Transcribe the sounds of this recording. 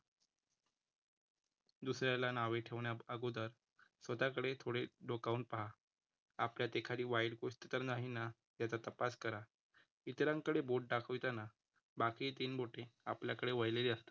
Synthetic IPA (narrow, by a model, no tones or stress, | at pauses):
d̪usɾjalanaʋeʈʰeʋɳjaəɡod̪əɾ | sʋət̪akəɽet̪ʰoɽeɖokauɳʈ̚paɦa | apljat̪ekʰaɽiːʋajɽkost̪et̪əɾnaɦina | t̪jat͡sat̪əpaskəɾa | it̪ɾãŋkəɽeboʈ̚ɖakʰəʋjt̪ana | bakiːt̪iːnboʈeapljakəɽeʋəjleliəst̪ḁ